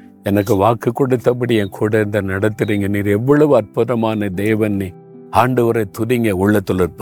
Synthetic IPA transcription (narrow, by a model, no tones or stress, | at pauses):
ɛnɐk̬ːɯʋaːkɯkːɔɽɯt̪ːɐp̬ɐɽiɛːnkʰuːɽɐnd̪ɐnɐɽɐt̪ːɪɾiŋɡɐniːɾɛʋːɐɭɐʋɯɐrpʊðɐmaːnɐd̪eːʋɐnni | aːɳɖɐʋɐɾɐɪt̪ʊɾɪŋɡɐʊɭːɐt̪ːɔɭɯɾpɯ